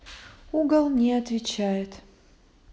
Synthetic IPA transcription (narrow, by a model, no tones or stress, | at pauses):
uɡəlˠnʲɪɐt̪vʲɪt͡ɕæjɪt̪